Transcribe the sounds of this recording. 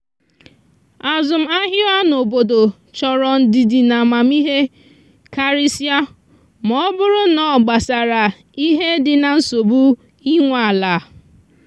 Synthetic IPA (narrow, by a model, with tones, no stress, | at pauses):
a˨zʊ˨m̩˦a˦ɦɪ˦a˦no˨bo˨do˨ | t͡ʃɔ˨ɾɔ˨n̩˦di˨di˨na˨ma˨m˦i˦ɦe˦ | ka˦ɾi˦sja˦ | mɔ˦bʊ˦ɾʊ˦nɔ˨ɡ͡ba˨sa˨ɾa˨ | i˦ɦe˦dɪ˨na˨n̩˦so˨bu˦ | i˦ŋʷa˦˨la˨˦